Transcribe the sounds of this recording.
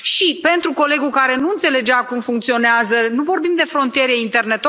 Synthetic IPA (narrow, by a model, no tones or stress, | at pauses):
ʃipe̞nt̪ɾuko̞le̞ɡukaɾe̞nuɨnt̪se̞le̞d͡ʒeakumfuŋk̚t̪sio̞neazənuvo̞rbimd̪e̞fɾo̞nt̪ije̞ɾe̞int̪e̞rne̞t̪o